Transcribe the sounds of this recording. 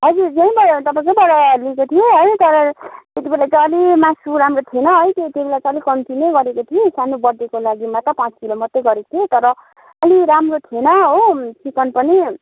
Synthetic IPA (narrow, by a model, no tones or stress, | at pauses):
ɦʌd͡zud͡zaĩbʌt̪ʌpãĩkobʌɾaaɾuliekot̪ʰijeɦʌjt̪ʌɾʌt̪et̪ibelat͡sʌʌlimasuɾamrot̪ʰienʌɦʌjt̪et̪eibelat͡sʌ̃ʌlikʌmtinejɡʌɾekot̪ʰiẽsanobʌɽd̪ekolaɡimat̪ʌpãt͡skilomʌt̪ːeɡʌɾekt̪ʰijot̪ʌɾʌ | ʌliɾamrot̪ʰienʌɦotʰikʌnpʌni